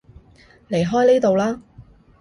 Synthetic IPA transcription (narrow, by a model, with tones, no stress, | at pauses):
le˨˩jɦɔː˥jniː˥t̪o˨wlaː˥